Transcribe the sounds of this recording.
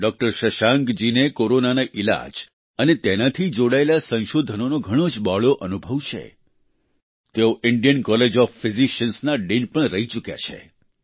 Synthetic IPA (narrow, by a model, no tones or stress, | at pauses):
ɖɔk̚ʈəɾʃəʃaŋɡd͡ʒinekoɾonanaʔila̰d͡ʒ | ənet̪enat̪ʰid͡ʒoɽaelasə̃ʃod̪ʱənonoɡʱəɽ̃od͡ʒbɔɭoʔənubʱəʋt͡ʃʰḛ | t̪eoʔɪɳɖijənkɔled͡ʒɔfːɪziʃənsnaɖinpəɳɾəɦit͡ʃukja̰t͡ʃʰḛ